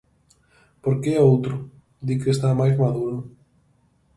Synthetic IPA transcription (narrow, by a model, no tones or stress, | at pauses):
poɾkeowt̪ɾʊ | d̪ikest̪amajzmaðuɾʊ